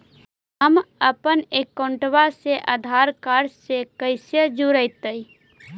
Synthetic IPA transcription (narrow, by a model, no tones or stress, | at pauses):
ɦəməpənekːoɳʈʋaseʔəd̪ʱaɾkaɾsekəɪsjəd͡ʒuɾəɪt̪əi